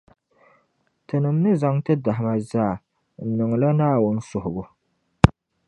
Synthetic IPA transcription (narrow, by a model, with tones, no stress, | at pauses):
tɨ˨nɨ˨m˦nɨ˦za˨ŋtɨ˦da˨ɦɪ˨ma˦zaː˦˨ | n̩˨nɨ˨ŋ˨la˦naː˦wʊ˦n˦sʊ˨hʊ˨bʊ˨